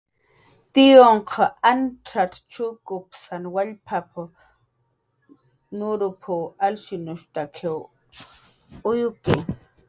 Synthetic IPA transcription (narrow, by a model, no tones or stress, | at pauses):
t̪ɪjoɴqʰɑanʈ͡ʂʰatt͡ʃʊkʊpsanwaʎpʰapʰʊ | nʊɾʊpʰʊalsʊnʊʃt̪akʰew | ʊjʊkɪ